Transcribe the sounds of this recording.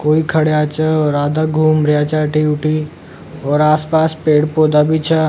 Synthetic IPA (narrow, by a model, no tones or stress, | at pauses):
koːikʰəɽjaːt͡ʃaɔːɾaːd̪aɡʱuːmɾjaːt͡ʃaːʈiʊʈʰi | ɔːɾaːspaːspeːɽpoːd̪abʱit͡ʃʰa